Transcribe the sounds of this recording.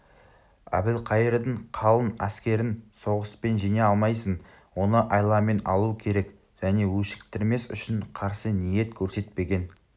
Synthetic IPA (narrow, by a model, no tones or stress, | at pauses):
æ̰bɪlqʰɑjəɾd̪əɴqʰɑlˠənæskʲe̞ɾɪnso̞ʁəspe̞nʒijneɑlˠmɑjsən | wo̞nəʔɑjlˠɑme̞nɑ̰lˠukʲʰe̞ɾe̞k | ʒ̥æne̞wɵʃɪ̥kt̪ɪɾme̞sʏ̰ʃɪɴqʰɑɾsənije̞t̪kʲʰɵɾse̞t̪pe̞ɡʲe̞n